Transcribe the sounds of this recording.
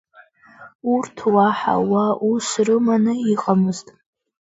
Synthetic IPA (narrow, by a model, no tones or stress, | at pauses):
urtʰwaħa̰waʔusrɨmanɨiqʼamɨztʼ